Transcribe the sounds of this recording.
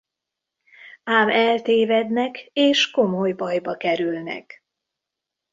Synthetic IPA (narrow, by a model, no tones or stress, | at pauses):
aːmɛlt̪eːvɛd̪nɛkeːʃko̞mojbɒjbɒkɛɾylnɛ̰k